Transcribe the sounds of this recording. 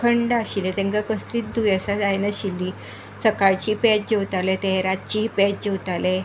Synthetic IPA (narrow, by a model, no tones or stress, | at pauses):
kʰəɳɖaɕilet̪ɛ̃ŋkakəst̪iːt̪̚d̪ujəsad͡zajnaɕilːi | t͡səkaɭt͡ɕiːpɛt͡ɕ̚d͡ʑewt̪alet̪əɦɾat͡ɕiːpɛt͡ɕ̚d͡ʑewt̪ale